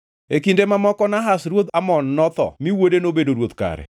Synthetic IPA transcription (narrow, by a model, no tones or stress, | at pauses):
ekindemamɔkɔnaɦasɾwot̪amɔnːɔt̪ɔ̰miwodenobedoɾwot̪ka̰ɾɛ̰